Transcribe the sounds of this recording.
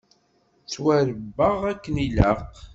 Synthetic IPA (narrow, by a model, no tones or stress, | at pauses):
t͡swæɾəbːəʁækːəniləq